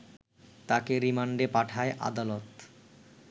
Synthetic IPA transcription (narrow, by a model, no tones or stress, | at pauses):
t̪akeɾimaɳɖepaʈʰaeʔa̰d̪alot̪